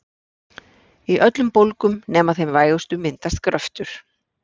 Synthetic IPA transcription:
iʔœt̪lʏmpowlkʏmnɛːmaθejmvaːjost̪ʏmɪnt̪ast̪kɾœft̪ʏɾ̥

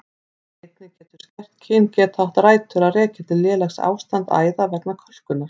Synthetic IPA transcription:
ejt̪nɪcɛːt̪ʏ̥ɾ̥scɛr̥t̪cʰɪːncɛːt̪aht̪raːjt̪ʰʏɾaðrɛːcat̪ʰɪlːjɛːlaxsa̰ːwst̪ant̪a̰ːjðavɛknakʰɔl̥kʏnːaɾ̥

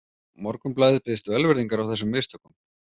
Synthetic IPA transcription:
mɔɾkʏmplaːðɪpɪðɪst̪vɛlvɛɾðiŋkaɾawθɛsʏmːɪst̪ʰɔkʏm

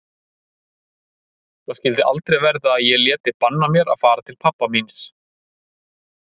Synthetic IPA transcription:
θascɪlt̪ɪʔa̰lt̪ɾɛjvɛɾðaːðjɛljɛːt̪ɪpanːamjɛɾa̰ðfaːɾat̪ʰɪlpʰapːamins

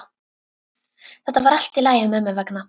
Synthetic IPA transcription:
θɛht̪avaɾal̥t̪ilaːjɪmɛmɛvɛkna

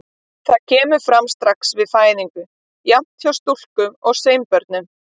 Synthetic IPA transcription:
θaðcʰɛːmʏɾfɾamst̪ɾaksvɪðfaːjðiŋkʏ | jamn̥t̪θjawst̪ul̥kʏɔɣseːjmpœɾt̪̚nʏ

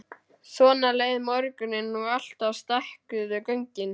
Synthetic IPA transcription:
sɔːnaleːjðmɔɾkʏnɪnːuɣal̥t̪awst̪ahkʏðʏkœɲcɪn

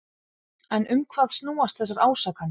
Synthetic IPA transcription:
ɛnʔʏmkʰvaːðst̪nuːast̪θɛs̬ːaɾaːwsaːkan

